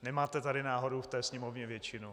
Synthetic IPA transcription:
nɛmaːt̪ɛt̪adɪnaːɦoduft̪ɛːsɲɛmovɲɛvjɛt͡ʃɪnu

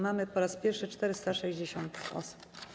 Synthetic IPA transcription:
mamɘpɔɾaspʲjɛɾfʂɘt͡ʂt̪ɛɾɘst̪aʂɛʑd͡ʑeɕɔnt̪ɔ̰su̥p

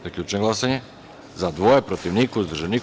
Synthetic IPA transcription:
zaklʲut͡ʃnɛɡlˠasaɲɛ | zad̪voɛpɾot̪ivnikoizd̪r̩ʒani

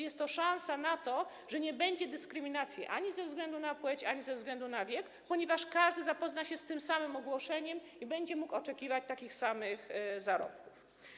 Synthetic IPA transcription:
jɛst̪ːɔʂãñsanat̪ɔ | ʐɛɲɛbɛɲd͡ʑɛd̪ɘskɾɘmʲinat̪sʲjɛ̰ʔaɲizɛvzɡlɛnd̪unapwɛt͡ɕaɲizɛvzɡlɛnd̪unavʲjɛk | pɔɲɛvaʂkaʐd̪ɘzapɔznaɕɛst̪ɘmsamɘmɔɡwɔʂɛɲɛm | ibɛɲd͡ʑɛmukɔt͡ʂɛkʲivat͡ɕt̪akʲixsamɘxzaɾɔ̰p̚kuf

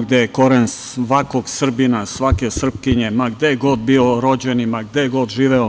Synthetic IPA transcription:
ɡd̪ejeko̞ɾensʋakoɡsr̩binasʋake̞sr̩p̚kiɲemaɡd̪ejeɡo̞d̪̚bioɾo̞d͡ʑenimaɡd̪ejeɡo̞d̪ʒiːʋeo

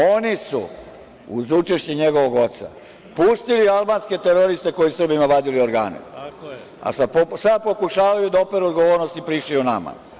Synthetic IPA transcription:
onisṵ | uzut͡ʃeʃt͡ɕeɲeɡo̞ʋoɡo̞t̪sa̰ | pust̪ilialˠbaːnske̞t̪eɾoɾist̪e̞ko̞jisɾr̩bimaʋad̪ilio̞ɾɡa̰ːnḛ | a̰sad̪posad̪̚po̞kuʃaːʋajud̪aopeɾuod̪ɡo̞ʋoɾnost̪ipɾiːʃliunama̰

